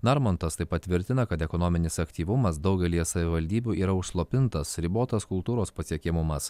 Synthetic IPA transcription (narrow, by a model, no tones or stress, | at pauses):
nɐɾmont̪ɐst̪ɐɪpɐt̪ʲʋʲɪɾʲt̪ʲɪnɐkɐt̪ɛkɔnɔmʲɪnʲɪsɐkt̪ʲiːʋʊmɐsd̪ɒʊɡʲɛlʲiːjɛsɐʋʲɪʋɐlʲd̪ʲiːbʲuːʔiːɾɐʊʃslˠoːpʲɪnt̪ɐsɾʲiboːt̪ɐskʊlˠt̪uːɾoːspɐsʲiɛkʲɪmʊmɐs